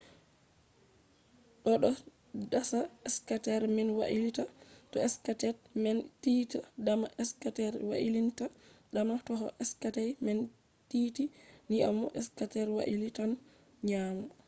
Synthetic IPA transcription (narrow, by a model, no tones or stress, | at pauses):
ɗɔɗɔ | dasaɛskatɛɾmɛnwa̰ʔilitatɔɛskatɛɾmɛntiːtadamaʔɛskatɛɾwa̰ʔilintaɗamatɔɦɔʔɛskatajmɛn | titinia̰mɔ̰ʔɛskatɛɾwa̰ʔilitan | ɲamɔ